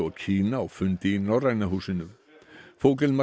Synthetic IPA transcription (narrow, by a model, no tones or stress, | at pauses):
ɔɣcʰiːnaːwfʏnt̪ɪːnawraɣnaɦuːsɪnʏm | fowkɪlma